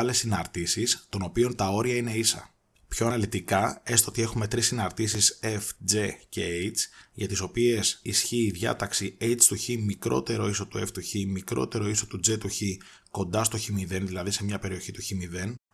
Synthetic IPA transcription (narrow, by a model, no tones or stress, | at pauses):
le̞sinɐɾt̪isist̪o̞no̞pio̞nt̪ɐo̞ɾiɐine̞isɐ̰ | pço̞ɐnɐlit̪ikɐe̞st̪oo̞t̪ie̞xume̞t̪ɾisinɐɾt̪isisefd͡ze̞ceejt͡sʝɐt̪iso̞pie̞sisçiːðʝɐ̰t̪ɐksiejt͡st̪uçimikɾo̞t̪e̞ɾo̞iso̞t̪ue̞ft̪uçimikɾo̞̰t̪e̞ɾo̞iso̞t̪ud͡ze̞t̪uçi | ko̞nd̪ɐst̪o̞çimiðe̞nðilɐðise̞mɲɐpe̞ɾio̞çit̪uçimiðe̞n